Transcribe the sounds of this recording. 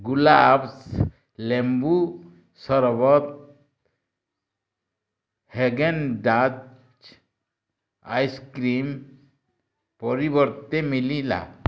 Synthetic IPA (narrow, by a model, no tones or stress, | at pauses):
ɡulabs | lembu | sɔɾbɔt̪̚ | heɡenɖa | t͡ʃ | ajskɾim | pɔɾibɔɾt̪emilila̰